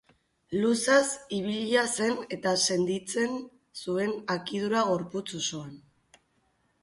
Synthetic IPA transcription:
lusasiβ̞iʎase̞ne̞t̪ase̞nd̪it͡se̞n | sue̞nakiðuɾaɣ̞o̞ɾput͡susoan

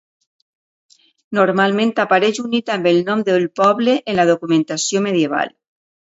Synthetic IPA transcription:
noɾmalmẽnt̪apaɾeʒunit̪ambelnɔ̃md̪elpɔβleʔenlað̞okumẽnt̪asjomeðjeβ̞a̰l

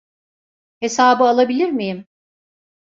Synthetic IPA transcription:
he̞saːbɯalˠabilʲiɾmijim

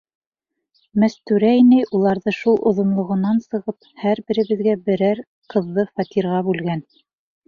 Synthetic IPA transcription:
mæst̪ʉɾæinɘjʔulˠɑɾðɤʃulˠʔŏ̰ðŏnlˠŏʁŏnɑnsɤ̆ʁɤp̚ | hæɾbɘ̆ɾɘ̆βɘ̆ðɡæbɘ̆ɾæɾ | qɤ̆ðːɤfɑt̪ʲiɾʁɑbʉlɡæn

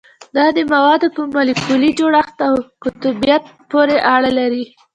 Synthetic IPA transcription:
d̪ɑd̪əmawɑd̪opəmalikulid͡ʒoɽaxt̪awkʊt̪ubijat̪̚poɾeʔaɽalaɾi

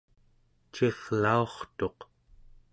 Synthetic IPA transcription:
t͡ʃeʁlao̞χt̪o̞q

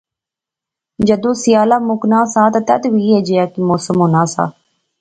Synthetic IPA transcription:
d͡ʒəd̪õːsɪjaːlaːmʊknãːsãːt̪ãːt̪ɛd̪ʋiːɦeːd͡ʒejaːkimoːsəmɦoːnaːsa̰ː

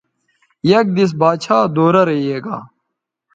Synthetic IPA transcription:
jɐk̚d̪is̬baːt͡ɕʰaːd̪oːɾɐɾɐieːɡaː

